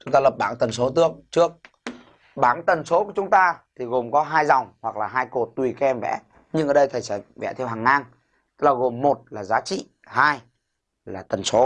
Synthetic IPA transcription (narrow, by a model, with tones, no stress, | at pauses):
t͡ɕʊ˨˦ŋ͡mt̪aː˧lə˨˩p̚ɓaː˧˩ŋt̪ə˨˩nso˨˦t̪ɨ˧˩əŋ̚t͡ɕɨ˦˥ək̚ | ɓaː˧˩ŋt̪ə˨˩nso˨˦ku˧˩ət͡ɕʊ˨˦ŋ͡mt̪aː˧t̪ʰi˨˩ɣo˨˩mkɔ˨˦ɦaː˧jza˨˩wŋ͡mhwa˨˩k̚laː˨˩ɦaː˧jko˨˩t̚t̪wi˨˩ka˨˧˦ʔɛ˧mvɛ̰˧˥ | ɲɨ˧ŋʔəː˨˩ɗə˧jt̪ʰə˨˩jfa̰˧˩jvɛ̰˧˥t̪ʰɛ˧wɦaː˨˩ŋːaː˧ŋ | t̪ɨ˦˥k̚laː˨˩ɣo˨˩mːo˨˩t̚laː˨˩zaː˨˦t͡ɕḭ˧˨ | haː˧j | laː˨˩t̪ə˨˩nso˨˦